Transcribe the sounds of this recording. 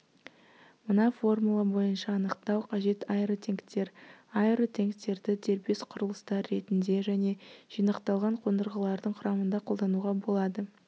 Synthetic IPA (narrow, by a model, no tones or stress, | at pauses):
mənɑfo̞rmulˠɑbo̞jənʃɑːnəqt̪ɑwqʰɑʒe̞t̪ɑjɾət̪ʲʰe̞ŋkt̪e̞ɾɑjɾot̪ʲʰe̞ŋkt̪e̞ɾd̪ɪd̪e̞ɾbe̞sqʰʊɾəlˠəst̪ɑɾːe̞t̪ɪnd̪e̞ʒæne̞ʒ̥ijnəqt̪ɑlˠʁɑɴqʰo̞nd̪əɾʁəlˠɑɾd̪əɴqʰʊɾɑmənd̪ɑqʰo̞lˠd̪ɑnuʁɑbo̞lˠɑd̪ə